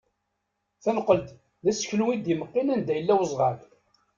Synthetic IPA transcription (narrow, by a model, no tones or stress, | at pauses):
θænqːəlt̪ | ðæsə̥çluwid̪iməqːɪnænd̪æjəlːæwəzˤʁɑd